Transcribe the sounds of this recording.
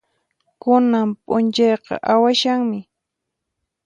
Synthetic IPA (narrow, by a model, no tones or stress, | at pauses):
kʊnampʼʊnt͡ʃɑjqɑ̰ʔawaʃaŋmɪ